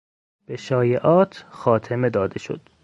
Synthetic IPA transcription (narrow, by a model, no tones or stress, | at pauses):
b̥eʃɒːjeʔɒːt̪ʰxɒːt̪ʰemed̪ɒːd̪e̞ʃo̰d̪̥